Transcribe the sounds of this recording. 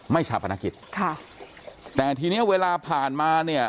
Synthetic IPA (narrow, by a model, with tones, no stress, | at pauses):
ma˥˩jsʰa˨˦˩pʰːa˧naː˧ki˨˩t̪̚kʰa˥˩ | t̪ɛː˨˩t̪ʰiː˧ni˦˥˩ɐweː˧laː˧pʰaː˨˩nmaː˧ni˥˩ɐ